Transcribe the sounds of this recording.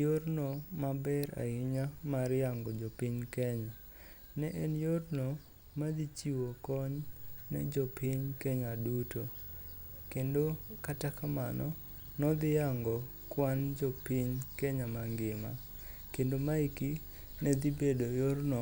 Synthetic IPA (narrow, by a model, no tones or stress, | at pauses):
joɾnomabɛɾa̰ɪɲamaɾɪjaŋɡɔd͡ʒɔpɪɲkɛɲa | nɛʔɛnjorno | mad̪it͡ʃiwokɔɲnɛ̰d͡ʒɔpɪɲkɛɲaduto | kendokatakamanɔ | nɔd̪ɪjaŋɡɔ | kwand͡ʒɔpɪɲkɛɲamaŋɡɪma̰ | kendomaiki | nɛd̪ibedojoɾnɔ